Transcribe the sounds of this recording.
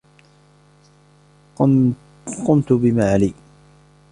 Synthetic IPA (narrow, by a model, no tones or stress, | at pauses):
qʊmt̪ʊbɪmaːʕaliː